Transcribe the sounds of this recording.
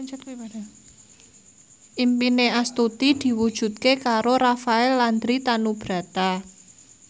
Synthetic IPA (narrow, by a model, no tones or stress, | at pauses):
ʔimpineast̪ut̪id̪̥i̤wud̥ʒ̥ṳt̪̚kekaɾoɾafaɛlːand̪ɾit̪anub̥ɾä̤t̪a